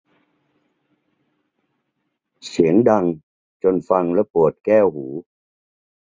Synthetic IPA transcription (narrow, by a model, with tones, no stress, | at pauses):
si˩˦əŋda˧ŋ | t͡ɕo˧nfa˧ŋlɛ˦˥pu˨˩ət̪̚kɛː˥˩whuː˩˦